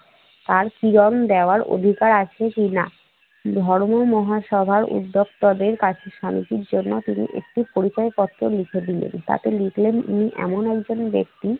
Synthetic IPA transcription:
t̪aɾkiɾɔnd̪eoaɾʔo̰d̪ʱikaɾat͡ɕʰekina | d̪ʱɔɾmomɔɦaʃɔbʱaɾṵd̪ːok̚t̪ɔd̪eɾkat͡ɕʰeʃamit̪iɾd͡ʑonːot̪inḭʔḛk̚ʈipoɾit͡ɕaekɔt̪ːɾolikʰed̪ilḛnt̪a̰t̪elikʰlenḭniʔɛ̰monɛk̚d͡ʑonbek̚t̪i

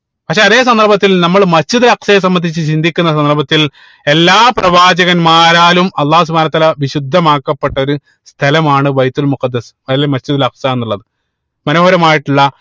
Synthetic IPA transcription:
pɐkʂeɐðe̞ːs̬ɐnd̪ɐrbɐt̪ːilnɐmːɐɭmɐsd͡ʑiðɐlɐqsɐjes̬ɐmːɐnd̪ʱit͡ɕːɨt͡ɕind̪ʱikʲːunːɐs̬ɐnd̪ɐrbɐt̪ːil | e̞lːaːprɐʋaːd͡ʑɐɣɐnmaːɾaːlumɐlˠːaːs̬ubʱaːnɐt̪ːaːlɐʋiɕud̪ʱːɐmaːkːɐpːe̞ʈːɐo̞ɾu | st̪ʰɐlɐmaːɳɨbɐjt̪ulmuqɐd̪ːɐs | ɐðilemɐsd͡ʑiðilɐqsae̞nːuɭːɐðɨ | mɐnoːhɐɾɐmaːjiʈːuɭːɐ

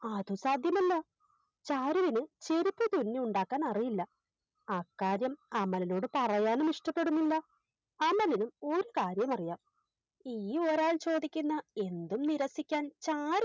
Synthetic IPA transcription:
ɐðusaːd̪ʱjɐmɐlːɐ | t͡ɕaːɾuʋinɨt͡ɕeɾipːɨt̪unːiuɳɖaːkːaːnɐrijilːɐ | ɐkːaːɾjɐmɐmːɐlino̞ːɽɨpɐrɐjaːnɨmiʂʈɐpːe̞ɽunːilːɐ | ɐmːɐlinumo̞ɾukaːɾjɐmɐrijaːm | iːo̞ɾaːlt͡ɕo̞ːd̪ikʲːunːɐe̞nd̪umniɾɐsikʲːaːnt͡ɕaːɾ

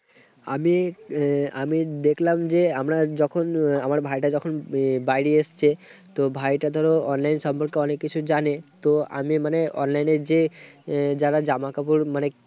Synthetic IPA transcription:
a̰mi | amid̪ekʰlamd͡ʑeamɾad͡ʑɔkʰonamaɾbʱajʈad͡ʑɔkʰonbajɽiest͡ɕʰet̪obʱajʈad̪ʱɔɾoɔnlajnʃɔmpɔɾkeɔnekːit͡ɕʰud͡ʑanet̪oa̰mimaneʔɔ̰nlajneɾd͡ʑe | d͡ʑaɾad͡ʑamakapuɾmane

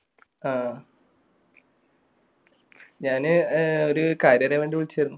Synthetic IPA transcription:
aː | ɲaːnɨo̞ɾukaːɾjɐnɐʋeːɳɖiʋiɭit͡ɕːejɾunːu

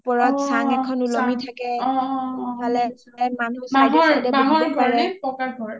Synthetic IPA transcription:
pɔɹɔtsaŋɛkʰɔnulɔmitʰakɛɔalɛsɛmanusmaddɛaɦɔɔɡɔɹɛpɔkaɡʱɔɹ

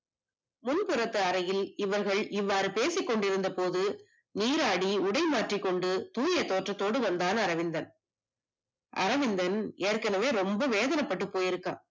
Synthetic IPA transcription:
mʊnpɯɾɐt̪ːɯɐɾɐjɪlɪʋɐɾɣɐɭɪʋːaːɾɯpeːsɪkːɔɳɖɪɾɯnd̪ɐpoːðɯ | niːɾaːɽiʊɽɐɪmaːʈrɪkːɔɳɖɯt̪uːjɐt̪ːoːʈrɐt̪ːoːɽɯʋɐnd̪aːnɐɾɐʋɪnd̪ɐn | ʔɐ̰ɾɐʋɪnd̪ɐneːɾkɐnɐʋeːɾɔmbɐʋeːðɐnɐpːɐʈ̬ːɯpːoːjɪɾɯkːa̰ː

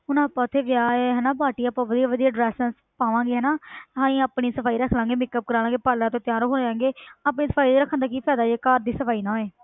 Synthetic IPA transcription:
ʊnãːpːãːʊt̪ʰːeːʋɪjaːeɦɛːnaːbaːʈiːaːpãːʋəd̪iːaːʋəd̪iːaːɖɾɛːsə̃s | paːʋãːŋɡeːɦɛːnaːɦãːĩːaːpɽiːsəpʰaːiːɾəkʰlãːŋɡeːmɪkːəp̚kəɾaːlãːɡeːpəɾlãːt̪õːt̪ɪjaːɾoːɦoːãːŋɡeːaːpɳiːsəpʰaːiːd̪eːɾəkʰːə̃nd̪aːk̬iːpʰɛːd̪aːd͡ʒeːkaːɾd̪iːsəpʰaːiːnãːeː

